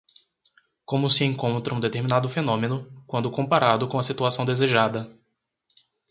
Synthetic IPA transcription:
kõmʊsɪẽkõnt̪ɾɐũd̪et̪eɾmĩnad̪ʊfenõmẽnʊkwɐ̃nd̪ʊkõmpaɾad̪ʊkõw̃ɐsit̪uasɐ̃w̃d̪ezeʒad̪ɐ

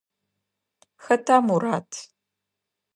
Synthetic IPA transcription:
xɐtʰaːmuɾaːtʰ

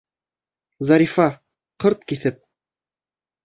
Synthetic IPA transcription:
zɑɾifɑ | qɤɾt̪kiθɘp̚

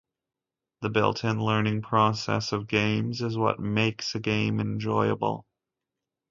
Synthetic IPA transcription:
ðɨbɪ̰lˠtʰɨ̃nlɜ̃˞nɪ̃ŋpʰɹ̥ɔsɛ̰sʌvɡẽɪ̃mzɨzwʌ̰t̚meɪksɨɡẽɪ̃mɨ̃nd͡ʒɔɪɨ̰bl̩ˠ

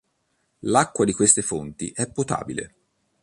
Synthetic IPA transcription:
lakːwad̪ikwest̪efont̪iʔɛpːot̪a̰ːbilḛ

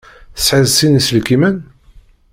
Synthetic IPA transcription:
θsʕəðsinisəlkimən

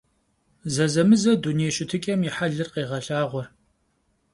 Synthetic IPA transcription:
zɐzɐmɨzɐdunejʃɪtʰɨkʲʼɐmɪħaɮɨrqeːʁɐɬaːʁʷɔr

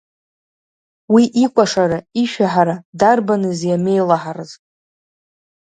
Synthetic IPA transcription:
wiʔikʷʼaʂaɾaiʃᶣaħaɾadarbanɨzjame̞jlaħarɨzʼ

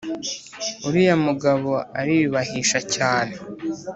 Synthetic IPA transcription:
uɾijamuɡaβo̞aɾiβiβahiʃacaːne

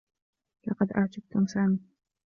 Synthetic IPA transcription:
lɑqɑd̪ʔa̰ʕd͡ʒ̪ab̚t̪ʊmsaːmiː

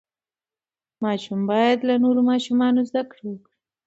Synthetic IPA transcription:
mɑʃumbɑjad̪lanoɾomɑʃumɑnozd̪akɽiwəkɽi

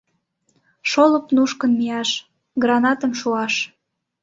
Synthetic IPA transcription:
ʃolə̆pnuʃkənmiɑʃ | ɡrɑnɑt̪əmʃuɑʃ

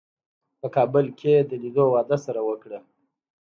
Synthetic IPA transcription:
pəkɑːbʊlkʲʰed̪əlid̪owɑd̪asaɾawəkɽə

